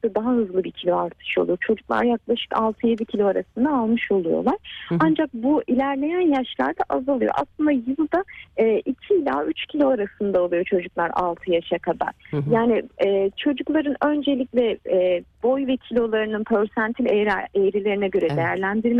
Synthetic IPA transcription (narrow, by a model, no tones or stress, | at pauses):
d̪ad̪aɦaɦɯzlˠɯbicʰilʲo̞aɾt̪ʰɯ̥ʃo̞lˠujot͡ʃʰo̞d͡ʒuklˠa̰ɾjaklˠaʃɯ̥ka̰lˠt̪ʰɯje̞d̪icʰilʲo̞aɾasɯnd̪aːlˠmɯʃo̞lˠujo̞̰lˠaɾ̥and͡ʒak̚builʲæɾlʲe̞jænjaʃlˠa̰ɾd̪aʔazalˠɯjo̞̰ʔa̰slˠɯnd̪ajɯlˠd̪aɛːʔicʰiːlʲa̰ːyt͡ʃcʰilʲo̞aɾasɯnd̪aolˠujo̞t͡ʃʰo̞d͡ʒuklˠaɾa̰lˠt̪ʰɯjaʃakʰaba̰ɾjaːnɪɛːt͡ʃʰo̞d͡ʒuklˠaɾɯnø̞nd͡ʒe̞lʲiclʲɛ | bo̞jvɛcʰilʲo̞lˠaɾɯnɯnpʰøɾsænt̪ʰilʲeɾejɾilʲe̞ɾinɛɟø̞ɾɛd̪e̞jæɾlʲænd̪iɾm